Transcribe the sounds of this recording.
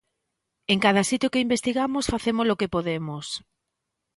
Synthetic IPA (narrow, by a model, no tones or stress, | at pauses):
eŋkað̞asit̪jʊkeimbest̪iɣamosfaθemozlokepoðemos